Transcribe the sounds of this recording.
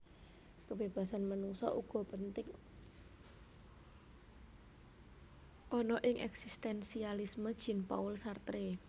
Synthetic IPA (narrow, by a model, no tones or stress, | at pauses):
kəbeb̥a̤sanmanuŋsɔ̰ʔuɡ̥ɔ̤pənt̪ɪŋ | ʔɔnɔʔɪŋʔɛ̰ksist̪ɛnsialisməd̥ʒ̥i̤npa̰ʊlsart̪ɾe